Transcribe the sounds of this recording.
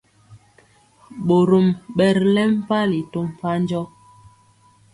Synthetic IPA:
ɓo˨ɾu˨mɓɛ˨ɾlɛ˦m̩˦pa˦li˨to˦m˨pa˦nd͡ʒɔ˦

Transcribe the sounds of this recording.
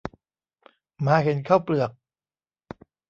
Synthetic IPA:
maː˨˦˥he˨˩˦nkʰaː˥˩wplɯ˨˩ək̚

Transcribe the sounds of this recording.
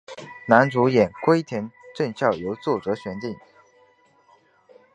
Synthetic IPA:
na˧˥nt͡su˧˥jɛ˨˩nkwe˥ɪt̪ʰjɛ˧˥nʈ͡ʂɤ˥˧nɕjɑ˥˩ʊjo˧˥ʊt͡swɔ˥˩ʈ͡ʂɤ˧˥ɕɥɛ˧˥nt̪i˥˩ŋ

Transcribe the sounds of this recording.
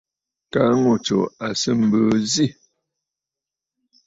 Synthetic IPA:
ka˦ŋo˨t͡ʃo̰˨a˨sə˦m̩˨bə˨zi˦˨

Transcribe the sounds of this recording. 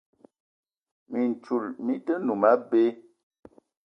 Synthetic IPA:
mi˨n˨t͡ʃu˨lmi˦tə˦nu˨ma˦be˦

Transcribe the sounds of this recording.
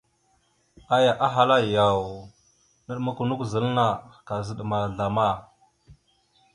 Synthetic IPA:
a˦ja˨ʔa˦ɦa˨la˦ja˨w | nə˦ɗma˦ku˨nu˦kzə˨lna˨ka˨zə˨ɗma˨ɮa˨ma˦˨

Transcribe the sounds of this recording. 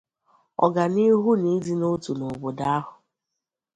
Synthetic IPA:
ɔ̰˨ɡa˨ni˦ɦu˦ni˦di˦no˦tu˨no˨bo˨da˦a˦ɦʊ˨

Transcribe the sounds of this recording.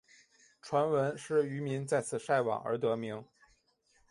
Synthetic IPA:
ʈ͡ʂʰwa˧˥nwə˧˥nʂɻ̩˥˩y˧˥mi˧˥ŋt͡sa˥˧ɪt͡sʰɹ̩˨˩ʂa˥˩ɪwɑ̰˨˩ŋə̰˞˧˥t̪ɤ˧˥mi˧˥ŋ

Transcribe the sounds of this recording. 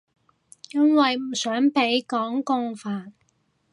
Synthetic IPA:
jɐ˥nwɐ˨jm̩˨˩sœː˨˥ŋpe˨˥jkɔː˨˥ŋkʊ˧ŋfaː˨˧n̚

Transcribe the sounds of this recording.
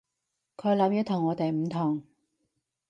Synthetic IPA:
kʰɵ˨˧˥lɐ˨˥mjyː˨˧˥t̪ʰʊ˨˩ŋːɔː˨˧t̪e˨jm̩˨˧t̪ʰʊ˨˩ŋ

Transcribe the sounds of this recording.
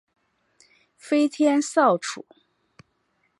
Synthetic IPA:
fe˥ɪt̪ʰjɛ˥nsɑ˥˩ʊʈ͡ʂʰṵ˨˩˦

